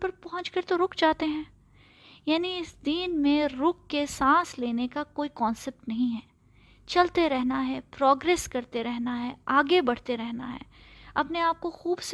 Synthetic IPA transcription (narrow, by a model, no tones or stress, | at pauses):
pɐɾpɐɦʊ̃t͡ʃkɐɾt̪oɾʊkd͡ʒaːt̪eɦɛ̃ː | jaːniɪsd̪iːnmẽɾʊkːesãːsleːnekakoːikɔ̃ːnsɛp̚ʈnɐɦĩɦɛː | t͡ʃɐlt̪eɾɛɦnaɦɛːpɾɔːɡɾeːskɐɾt̪eɾɛɦnaɦɛːaːɡebɐɽ̤t̪eɾɛɦna̰ɦɛ̰ːɐpneaːp̚koxuːbs